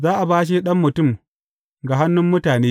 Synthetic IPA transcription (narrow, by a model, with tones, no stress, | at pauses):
zaː˦ʔa˨baː˦ʃ̬i˦ɗɐ˦mːʊ˨tʊ˦˨m | ɡa˨ɦa˦nːʊ˦mːʊ˦taː˨neː˦